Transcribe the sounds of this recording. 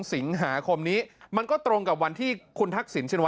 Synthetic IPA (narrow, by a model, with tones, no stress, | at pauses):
ŋsi˩˦ŋɦaː˩˦kʰo˧mniː˦˥ma˧nkɔː˥˩t̪ɾo˧ŋka˨˩p̚wa˧nt̪ʰiː˥˩kʰu˧nt̪ʰa˦˥k̚si˩˦nt͡ɕʰe˥˩nwa˦